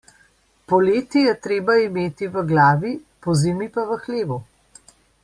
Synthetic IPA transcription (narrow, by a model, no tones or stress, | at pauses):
pɔleːt̪ijɛt̪ɾeːbaimeːt̪iʋəɡlaːʋi | pɔzimipaʋəxleːʋu